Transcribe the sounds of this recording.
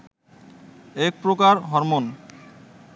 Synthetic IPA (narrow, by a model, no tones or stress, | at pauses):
ek̚pɾokaɾɦɔɾmon